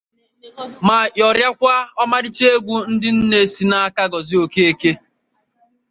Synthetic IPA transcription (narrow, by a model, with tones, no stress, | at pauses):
ma˨jɔ˨ɾja˦kʷa˦ɔ˦ma˦ɾɪ˦t͡ʃe˦e˦ɡʷu˦n̩˦dɪ˦n̩˦ne˨si˨na˦a˦ka˦ɡɔ˨zɪ˦o˨ke˦e˦˨ke˦